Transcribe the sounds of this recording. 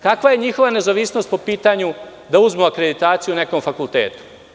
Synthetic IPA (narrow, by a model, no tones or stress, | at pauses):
kakʋaje̞ɲixo̞ʋane̞zaʋisnost̪po̞piːt̪aɲu | d̪auzmuakɾe̞d̪it̪aːt̪sijune̞ko̞mfakult̪ḛːt̪u̥